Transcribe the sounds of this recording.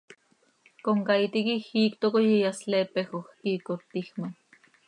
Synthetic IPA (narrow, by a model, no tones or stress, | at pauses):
koŋkait̪ikixiːkt̪okojijaslepexoxkikot̪ːixma